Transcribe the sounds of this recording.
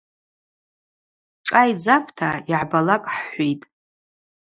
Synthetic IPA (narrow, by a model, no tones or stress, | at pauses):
ʈ͡ʂʼajd͡zapʰtʰaiʕbalakʼħħʷijtʼ